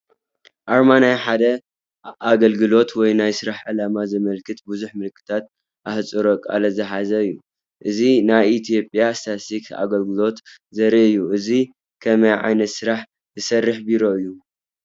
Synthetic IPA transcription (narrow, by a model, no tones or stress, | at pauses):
ʔaɾmanajħad̪ɐ | aɡɐlɡɨlo̞t̪ʰwɔjnajsɨɾaħʕɨlamazɨmɐlkʰɨt̪buzuħmɨlkʰːɨ̥t̪ʰat̪̚ | ʔaht͡sʼɨɾo̞kʼa̰lɐzɨħazɐɨjːu | ʔɨzinajit̪ʰijo̞pʼjast̪ʰasika̰ɡɐlɡɨlo̞t̪ | zɐɾiɨjːuʔɨzi | kʰɐmɐjʕa̰jnɐt̪sɨɾaħ | zɨsɐrːɨħbiɾo̞ɨjːu